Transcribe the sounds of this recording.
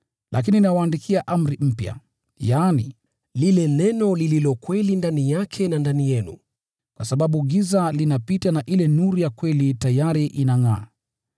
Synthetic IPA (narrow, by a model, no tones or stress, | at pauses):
lʔak̬ininawaːndikʰiaʔam̩ɾim̩pja̰ | jaːnḭ | lilɛnɛnɔlililɔkwɛlindanijakʰɛnandanijɛnṵ | kwasaɓaɓuɠizalinapitanaʔilɛnuɾijakwɛlitajaɾiʔinaŋa̰ː